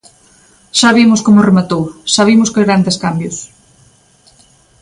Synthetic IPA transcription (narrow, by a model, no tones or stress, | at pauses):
ʃaβimʊskomʊremat̪owʃaβimʊskɪɣɾand̪eskambjʊs